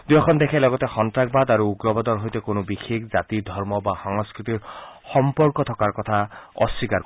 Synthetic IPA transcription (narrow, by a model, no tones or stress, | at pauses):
d̪ujɔkʰɔnd̪ɛkʰɛlɔɡɔtɛxɔntɹak̚bad̪aɹuuɡɹɔbɔd̪ɔɹɦojtɛkonʊbixʰekzat̪id̪ʱɔɹmɔbaxɔŋskɹit̪iɹxɔmpɔɹkɔt̪ʰɔkaɹkɔt̪ʰaɔ̰sːikaɹk